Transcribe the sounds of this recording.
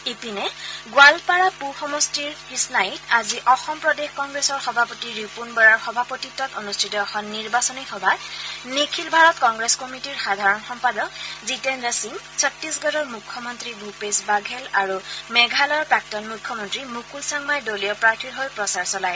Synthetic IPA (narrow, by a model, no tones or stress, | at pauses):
ipinɛɡwalpaɹapuxɔmɔstiɹhisnajitaziʔɔxɔmpɹɔdexkɔŋɡɹesɔɹxɔbʱapotiɹipunbɔɹaɹxɔbʱapotitːɔtɔnustʰitɔɔxɔnːiɹbasɔnixɔbʱanikʰilbʱaɹɔtkɔŋɡɹeskɔmitiɹxadʱaɹɔnxɔmpadɔkzitɛndasiŋsʰɔtːisɡɔɾɔɹmukʰːɔmɔntɹibʱupesbaɡʱɛlaɹumɛɡʱalɔɹpɹak̚tɔnmukʰːɔmɔntɹimukulsaŋmajdolijɔpɹaɹtʰilɦojpɹɔsaɹsɔlaj